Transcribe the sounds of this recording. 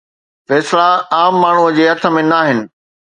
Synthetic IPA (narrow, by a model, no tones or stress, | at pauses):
fɛːslaaːmːaːɳ̤uəd͡ʑeɦɐt̪ʰə̆mẽnaːɦɪnɪ̆